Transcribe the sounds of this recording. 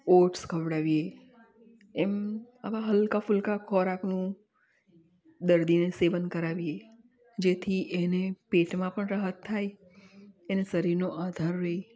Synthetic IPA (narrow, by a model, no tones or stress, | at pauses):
oʈskʰəʋɽaʋie | em | aʋaɦəlkafʊlkakʰɔɾaknũ | d̪əɾd̪ineseʋənkəɾaʋie | d͡ʒet̪ʰiʔenepeʈmãpəɳɾəɦət̪ʰːaj | enesəɾiɾnoʔad̪ʱaɾːəi